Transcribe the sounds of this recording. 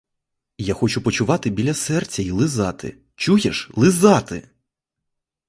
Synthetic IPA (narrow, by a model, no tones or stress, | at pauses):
jaxɔt͡ʃʊpɔt͡ʃʊʋɑt̪ɪbʲilʲɐsɛrt͡sʲɐilˠɪzɑt̪ɪ̰ | t͡ʃujeʃlˠɪzɑt̪ɪ̰